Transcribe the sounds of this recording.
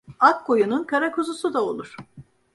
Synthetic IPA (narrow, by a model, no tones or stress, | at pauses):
akːojununkʰaɾakʰuzusud̪ao̞lˠuɾ̝̥